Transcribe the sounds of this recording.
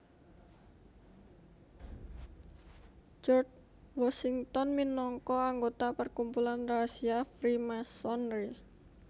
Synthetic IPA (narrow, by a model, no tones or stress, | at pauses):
d͡ʒɔrt͡ʃ | wɔsiŋt̪ɔnminɔŋkɔaŋɡot̪apərkumpulanrasiafɾimasɔnri